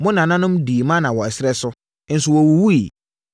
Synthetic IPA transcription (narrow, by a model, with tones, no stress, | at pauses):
mʊ̃˦nã˨nã˦nʊ̃˦m˦diː˨mã˦nã˨wɔ˨ɛ˨sɪ˦ɾɛ˦sʊ˦ | n̩˨˦sʊ˨wɔ˨wu˨wu˦i˨